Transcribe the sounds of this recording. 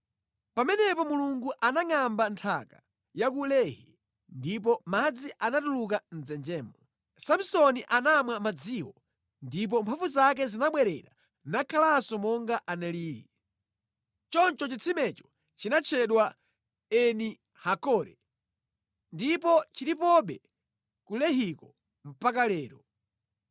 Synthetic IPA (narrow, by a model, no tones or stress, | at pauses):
pamɛnɛpɔmuluŋɡuʔanaŋambantʰa̰ka | jakulɛhɛ | ndip̬ɔmad͡ziʔanatuluk̬an̩d͡zɛnd͡ʒɛːmbɔ | samsɔniʔanamwamad͡ziwɔ | ndip̬ɔmpʰafuzak̬ɛzinaɓwɛɾɛ̰ɾa | nakʰalasɔmɔŋɡaʔanɛliːɾḭ | t͡ʃɔnt͡ʃɔt͡ʃit͡sʰimɛt͡ʃɔ̥ | t͡ʃinat͡ʃʰɛɗwa | ɛni | hakɔːɾɛ | ndipɔt͡ʃiɾipɔɓɛ | kulɛɦikɔ | m̩pak̬alɛːɾɔ